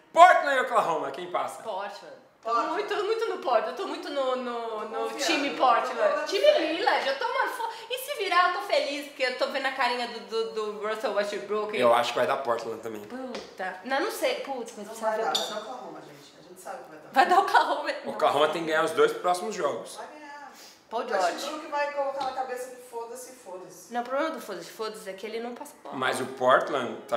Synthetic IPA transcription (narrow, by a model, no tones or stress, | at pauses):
pɔɾt͡ʃ̪lɐ̃ɛʊklaɦõmɐkẽj̃pasɐ̥pɔɾt͡ʃlɐ̃ | oũt̪omũj̃t̪ʊnʊpɔɾt͡ʃewt̪omũj̃t̪ʊnʊnʊnʊt͡ʃĩmɪpɔɾt͡ʃilɐ̃t͡ʃĩmɪlilɐzewt̪oumɐfɔ | ɪsɪviɾaewt̪ofelispʊɾkeewt̪ovẽnd̪ʊɐkaɾĩɲɐd̪ʊd̪ʊd̪ʊbɾoselbast͡ʃeɾbɾokewa̰ʃʊ̥kɪvajd̪apɔɾt͡ʃ̪lɐ̰̃t̪ɐ̃mbḛ̃j̃put̪ɐnɐ̃w̃nɐ̃w̃sejput̪ɐ̥koz̃sabaɪad̪aʊklahõmɐʒẽt͡ʃɪ̥ɐʒẽnt͡ʃɪ̥sabɪʊkɪvajd̪avajd̪aʊklaɦõmezʊ̃klaɦõmɐt̪ẽɡɐ̃ɲ̃aɾʊzd̪ojspɾɔsimʊzʒɔɡʊsvajɡɐ̃ɲa | pawd͡ʒɔt͡ʃũʊkɪvajkolot̪alɐkabesɐd͡ʒɪfod̪ɐsɪfod̪ɐsnɐ̃w̃ʊpɾoblẽmɐd̪ʊfod̪ɐsɪ̥fod̪ɐsɛkɪelɪnɐ̃w̃pasɐpɔmɐzʊpɔɾt̪lɐ̃t̪a